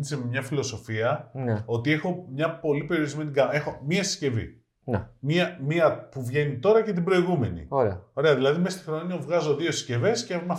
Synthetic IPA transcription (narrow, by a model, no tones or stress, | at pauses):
niseme̞mɲɐfilo̞so̞fiɐneo̞t̪ie̞xo̞mɲɐpo̞lipe̞ɾijoɾizme̞niɡɐe̞xo̞miɐesi̥sce̞vḭ | nmiɐmiɐpuvʝe̞nit̪o̞ɾɐce̞t̪̬ibɾo̞iɣume̞nḭoɾeɐo̞ɾe̞ɐðilɐðime̞st̪ixɾo̞niovɣɐzo̞ðio̞esi̥sce̞ve̞scemɐ